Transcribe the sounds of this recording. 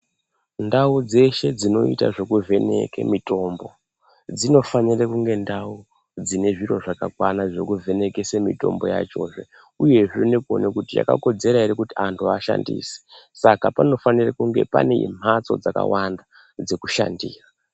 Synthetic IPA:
ndaud͡ze̞ʃe̞d͡zino̞̰itaʐe̞kuve̞nḛkḛmito̞mbo̞ | d͡zino̞fanirekuŋɡe̞ndau | d͡zine̞ʐiro̞ʐakakwanaʐo̞kuvʱe̞ne̞kesemito̞̰mbo̞̰ja̰t͡ʃo̞̰ːʐe̞ | uje̞ʐenekuo̰nekutija̰ka̰ko̞d͡ze̞ɾaiɾikutiantʰuaʃa̰ndḭːse̥sakapano̞fanirakuŋɡe̞̰paneḭm̤at͡so̞̰d͡zaka̰wanda | d͡ze̞kuʃa̰ndiːra

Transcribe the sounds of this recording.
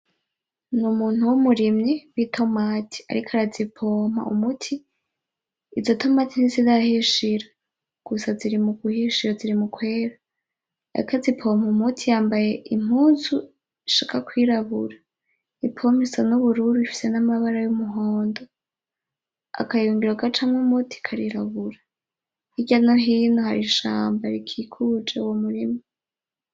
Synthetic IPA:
numuːn̥uwumuɾimɲewitʰo̞maːtʰi̥a̰ɾikʰoaɾazipʰo̞ːm̥a̰ṵmutʰi | zotʰo̞maːtin̥izizahiʃiɾa | ɡ̥usaziɾimuɡuhiʃiɾaziɾimukwe̞ːɾa̰ː | ikozipʰo̞ːmaumutʰijaːmbaje̞im̥huːzu | iʃaːkʰakwiɾaβuɾa | ipʰom̥isanuβuɾuɾuifi̥se̞namaβaɾajumuɦo̞ːndo | a̰kajuːŋɡiɾoɡat͡ʃamŋumutʰi̥kʰaɾiɾaβuɾa | iɟanoɦiːnohaɾiʃa̰ːmbaɾikʰikʰud͡ʒeuwomuɾima

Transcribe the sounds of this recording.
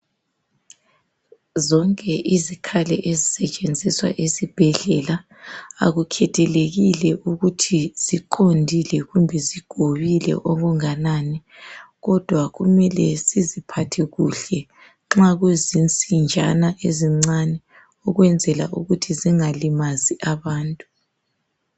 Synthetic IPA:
zɔŋkʼɛʔizikʰalɛ̰ʔezisɛt͡ʃʼend͡zʱiswa̰ʔesib̥ʱɛɮɛla | a̰ɣukʰɛtʰɛleɣilɛʔuɣutʰiz̥iǃʰondʱilɛɣumbʱɛziɡ̥ʱoβilɛ̰ʔɔɣuŋanaːnɛɣɔd̥ʱwaɣumɛlɛsizipʰatʰɛɣuɬɛ | ŋ͡ǁaɣwezint͡sʼind͡ʒʱa̰naʔeziŋ͡ǀanɛ | ɔɣwɛnd͡zʱɛla̰ʔuɣutʰiziŋalimaziʔaβaːntʼu

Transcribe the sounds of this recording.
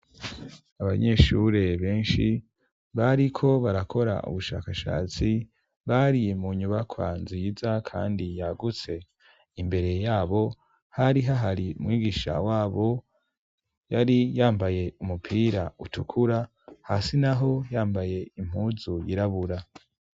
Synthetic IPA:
aβaɲe̞ʃuɾe̞βe̞ːnʃi | βaɾikʰo̞βaɾakʰo̞ɾa̰ʔṵβuʃa̰ːkaʃa̰ːt͡si | βaɾimuɲuβakʰwa̰nzizakʰa̰ːndijaɡut͡se̞ | imbe̞ɾe̞jaːβo̞ | haɾiɦaɦaɾiṵmŋiːɡiʃa̰waːβo̞ | jaɾijaːmbaje̞umupʰiːɾautukʰuɾa | hasinaɦo̞jaːmbaje̞im̥huzujiɾaβuɾa

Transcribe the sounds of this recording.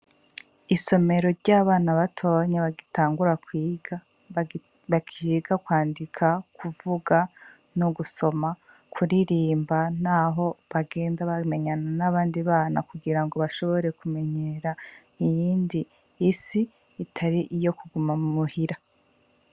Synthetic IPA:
iso̞me̞ɾo̞ɾɟaːβaːnaβatʰo̞ːɲeβaɡitʰaːŋɡuɾakwiːɡa | βakʰiɡakwaːndikʰakʰuvuɡa | noɡuso̞ma | kʰuɾiɾiːmban̥aɦo̞βaɡe̞ːndaβame̞ɲananaβaːndiβaːna̰kuɡiɾaŋɡo̞βaʃo̞βo̞ɾe̞kume̞ɲe̞ːɾa | ijiːndiː | siː | tʰaɾiʔijo̞kuɡumamumuhiɾa

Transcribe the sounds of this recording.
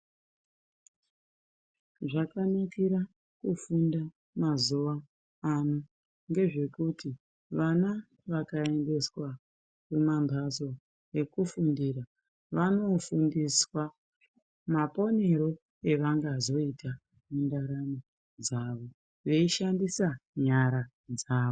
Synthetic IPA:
ʐakanakiɾa | kufunda | mazuʋaː | no | ŋɡe̞ʐe̞kutʰi | ʋana | ʋakae̞nde̞swa | kumambʱazo̞ | e̞kufundiɾa | ʋano̞fundiswa | mapo̞ne̞ɾo̞ | e̞ʋaŋɡaːzo̞itʰa | mundaɾamo | d͡zaʋo̞ | ʋe̞iʃandisaɲaɾa | d͡zaːo

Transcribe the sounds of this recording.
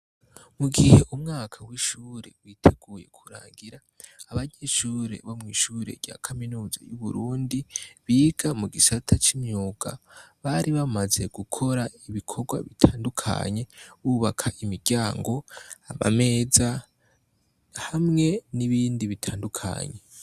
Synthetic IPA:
muɡihe̞ʔumŋaːkʰawiʃuːɾe̞̰wiːtʰeɡ̥uːje̞̰kʰu̥ɾa̰ːŋɡiɾaː | βaɲe̞ʃuːɾe̞̰βomŋiːʃuːɾe̞̰ɾɟa̰kʰaminuːza̰juβuɾuːndiβiːɡ̥amuɡisatʰat͡ʃimɲuːɡ̥a̰βaɾiβamaze̞ɡ̥ukʰo̞ɾaiβikʰo̞ɡwa̰βitʰaːndukʰa̰ɲe̞βuβakʰaʔimiɾɟaːŋɡo̞aβa̰me̞ːza | hamŋe̞niβiːndiβitʰaːndukʰa̰ɲe̞

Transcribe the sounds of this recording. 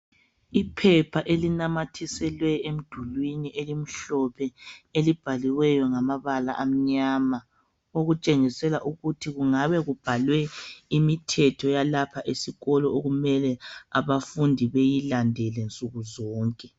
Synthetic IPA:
ipʰɛpʰaʔelinamatʰisɛlwɛem̩d̥ʱulwiniʔelim̩ɬɔpʰɛelib̥ʱaliwɛjɔŋamaβala̰ʔam̩ɲama | oɣut͡ʃʼeŋisɛlaʔuɣutʰiɣuŋaβɛɣub̥ʱalwɛimitʰɛtʰɔjalapʰaʔesiɣɔlɔoɣumɛlɛaβafundʱiβejilandʱɛlɛnt͡sʼuɣuzɔːŋkʼɛ

